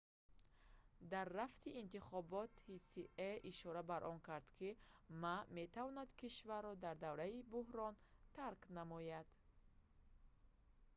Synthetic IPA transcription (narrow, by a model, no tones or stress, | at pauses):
d̪arːaft̪ʰiːnt̪iχɔbɔt̪hisiʔeʔiʃɔɾabaɾʔɔŋkʰaɾd̪̥kʰimame̞t̪ʰavɔnad̪kʰiʃvaɾːɔd̪aɾd̪avɾaibuhɾɔnt̪ʰaɾknamɔjad̪̥